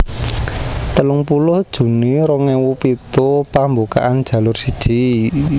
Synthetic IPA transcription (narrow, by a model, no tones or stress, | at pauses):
t̪əlʊŋpulʊhd̥ʒ̥ṳniɾɔŋɛwupit̪upambuka̰ʔand̥ʒ̥ä̤lʊrsid̥ʒ̥i